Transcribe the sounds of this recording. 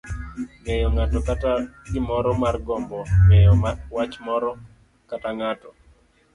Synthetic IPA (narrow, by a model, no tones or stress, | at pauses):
ŋɛjɔŋatɔkataɡɪmɔɾɔmarɡɔmbɔŋɛjɔwat͡ʃmɔɾɔ | kataŋatɔ